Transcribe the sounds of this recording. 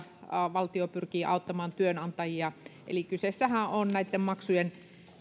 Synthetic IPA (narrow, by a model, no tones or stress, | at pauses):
ʋɑlt̪iopyrkiːʔɑut̪ːɑmɑːnt̪yønɑnt̪ɑjiɑʔḛlikysesːæhæʔonnæit̪ːemmɑksujen